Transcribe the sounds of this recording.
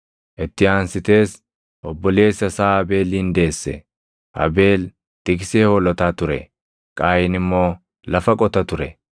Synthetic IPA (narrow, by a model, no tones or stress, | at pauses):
ʔɪt̪ːɪaːnsɪt̪e̞ːs | ʔɔbːɔle̞ːsːɐsaːɐbe̞ːliːnd̪e̞ːsːɛ̰ | ʔɐ̰be̞ːl | t̪ʼɪkseːhɔlɔt̪aːt̪ʊɾɛ̰ | kʼaːjɪnɪmːo̞ː | lɐfɐkʼɔt̪ɐt̪ʊɾɛ